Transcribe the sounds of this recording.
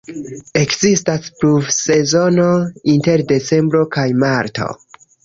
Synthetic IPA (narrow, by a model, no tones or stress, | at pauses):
e̞kzistaspɾuvse̞zo̞no̞inte̞ɾde̞t͡se̞mbɾo̞kajmaɾto̞̰